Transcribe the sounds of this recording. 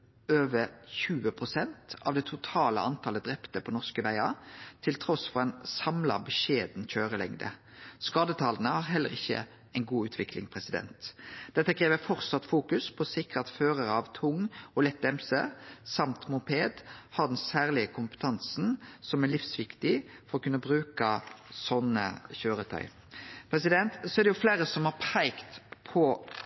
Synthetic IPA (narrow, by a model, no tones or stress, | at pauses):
øːʋəɾçʉːəpʰʁʊsɛnt̪ɑ̰ʋd̪ɛːt̪ʰʊt̪ʰɑːlə̰ɑnt̪ʰɑːləd̪ʁɛpt̪əpʰɔnɔʁskəʋæɪɑt̪ʰɪlt̪ʰɾɔsfɔʁd̪ɛnsɑmlɑ̰bəʃeːd̪n̩çøːʁəlɛ̰ŋd̪ə̰ | skɑːd̪ət̪ʰɑːlnəhɑʁɦɛlːə̰ʁɪçːə̰ | ɛɪnɡuːʉːt̪ʰʋɪkʰlɪŋpʰʁɛsɪd̪ɛ̰nt̪d̪̥ɛt̪ːəkʰɾeːʋəfɔʁt̪sɑt̪fuːkʉspʰɔsɪkʁət̪føːɾəɾəɑʋt̪ʰʊŋɔlɛt̪̚ːɛmsə̰sɑmt̪mʊmpʰeːd̪hɑɾd̪ɛnsæːʁlɪəkʰʊmpə̥t̪ʰɑnsnsɔmælɪfsʋɪkt̪ɪfɔɾɔkʰʉnːəbɾʉːkɑsɔnːə̰çøːɾət̪ʰœ̰ʏ | pʰɾɛsɪd̪ɛnt̪sɔæɾd̪ɛjʊfleːɾəsɔmhɑʁpʰæɪkt̪pʰɔ